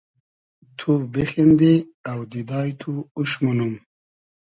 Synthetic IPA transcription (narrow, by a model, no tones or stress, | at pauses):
t̪ʰubexend̪iawd̪id̪ɑːjt̪ʰuuɕmunum